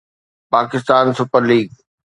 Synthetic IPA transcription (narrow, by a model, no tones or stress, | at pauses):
paːkɪst̪aːnsʊpəɾliːɡ̚